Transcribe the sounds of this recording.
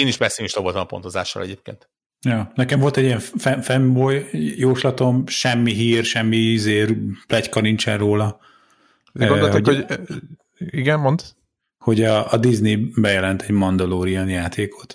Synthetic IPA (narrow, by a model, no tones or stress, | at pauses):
eːniʃpɛsimiʃt̪ɒvolt̪ɐmɒpo̞nt̪oza̰ːʃːɒ̰lɛ̰ɟeːp̚kḛːnt̪ | joːnɛkɛɱvo̞lt̪ɛɟijɛɱffɛfɛmbojjoːʃlɒt̪o̞mʃɛmːiɦiːrʃɛmːiizeːrplɛckɒɾiɲt͡ʃɛrroːlɒ | t̪onolɛkho | iɡɛnmont̪ | ho̞ɟɒːd̪iznibɛjɛlɛnt̪ʰɛɟmɒnd̪ɒloːɾijɒnjaːt̪ʰeːkʰo̞t̪